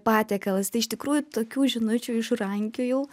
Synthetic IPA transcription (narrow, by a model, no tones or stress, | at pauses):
pɑːt̪ʲɛːkɐlˠɐst̪ɐɪɪʃt̪ʲɪkɾuːjut̪oːkʲuːʒʲɪnʊt͡ʃʲuːɪʃrɐŋʲkʲʊjɛʊ